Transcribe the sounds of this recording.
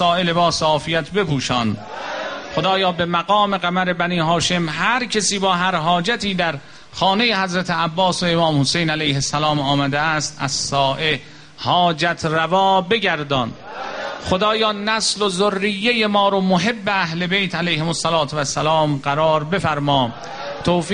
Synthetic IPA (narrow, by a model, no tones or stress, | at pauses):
sɒːʔelebɒːsːfijæt̪ʰbe̞puːʃɒːn | xod̪ɒːjɒːbe̞mæɡɒːme̞ɣæmæɾe̞bæniːɦɒːʃe̞mɦæɾkʰesiːbɒːɦæɾɦɒːd͡ʒæt̪ʰiːd̪æɾ | xɒːne̞jehæzɾæt̪ʰeæbːɒːsoemɒːmhosejnælæjhesːælɒːmɒːmæd̪eæst̪æzsɒːʔe | hɒːd͡ʒæt̪ʰrævɒːbe̞ɡæɾd̪ɒːn | xod̪ɒːjɒːnæslozorːijːejemɒːɾomoɦe̞bːe̞æɦle̞bejt̪ʰælejhemosːælɒːt̪ʰovæsːælɒːmɢæɾɒːɾbefæɾmɒː | t̪ʰoːf